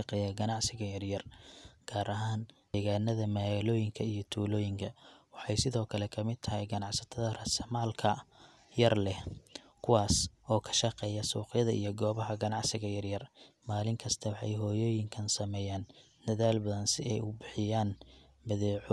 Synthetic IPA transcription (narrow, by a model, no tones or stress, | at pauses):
ɑqɛːjɐɡɐnɑʕsɪɣɐjɐrjɐrɡ̥aːɾʔɐɦaːnd̪ɛɣaːnɐðɐmalɔːjɪŋkʰɐijɞt̪ʰuːlɔːjɪŋkʰɐwɑħɑjsɪðɔːkʰɐlɛkʰɐmɪd̪̚t̪ʰɐhɛjɡɐnɑʕsɐt̪ʰɐðɐrɐsɐmaːlkʰɐ | jɐrlɛ | kʰʊwɑːsɔːkʰɐ̥ʃɐqɛːjɐsuːqjɐðɐʔḭjɞɡɔːβɐɦɐɡɐnɑʕsɪɣɐjɐrjɐrmaːlɪŋkʰɐst̪ʰɐwɑħɑ̰jɦɔːjɔːjɪŋkʰɐnsɐmɛːjaːn | d̪̥ɐðaːlbɐðɐnsɪɛjʊbɪħɪjaːn | bɐðɛːʕʊ